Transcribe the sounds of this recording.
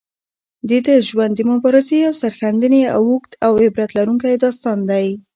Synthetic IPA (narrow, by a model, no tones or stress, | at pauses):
d̪ed̪əʒwand̪əmʊbɑɾɪzeawsaɾxand̪ənea̰wuxt̪ʰawebɾat̪laɾuŋkajd̪ɑst̪ɑnd̪aj